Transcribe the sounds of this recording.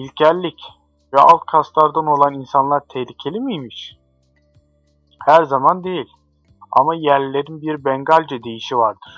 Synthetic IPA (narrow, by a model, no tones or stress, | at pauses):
ilʲcʰæɾlʲːic | vɛa̰lˠk̪kʰast̪ˠaɾd̪ono̞lˠaninsanlˠaɾt̪ʰɛhlʲicʰe̞lʲimijmiʃ | hæɾzamand̪e̞jilʲ | a̰majæɾlʲːe̞ɾinbiɾbɛŋɡalʲd͡ʒɛd̪e̞jiʃivaɾd̪̥ɯɾ̥